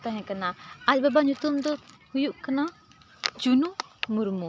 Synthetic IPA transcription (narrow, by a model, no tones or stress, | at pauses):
t̪aɦɛ̃kanaac̚babaɲut̪umd̪ɔ | hujuʔkana | d͡ʒunumuɾmu